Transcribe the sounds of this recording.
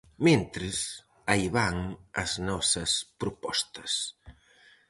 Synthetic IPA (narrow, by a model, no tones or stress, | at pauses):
mẽnt̪ɾɪs | ajβaŋɐ̰znɔsɐspɾʊpɔst̪ɐ̥s